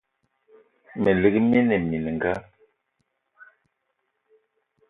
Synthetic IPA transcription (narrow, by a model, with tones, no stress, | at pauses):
mɛ˨li˨ɣi˦mɛ˦nɛ˨mi˨n˨ŋ˨ɡa˦